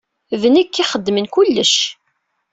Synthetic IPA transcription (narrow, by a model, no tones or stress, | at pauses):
vənəkːiχəd̪ːmənkʊlːəʃ